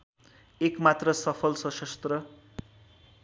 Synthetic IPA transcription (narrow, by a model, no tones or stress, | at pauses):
ekmat̪rʌsʌpʰʌlsʌsʌst̪rʌ